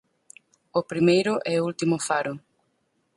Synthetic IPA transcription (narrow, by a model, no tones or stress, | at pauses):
opɾimejɾʊʔɛoult̪imʊfaɾʊ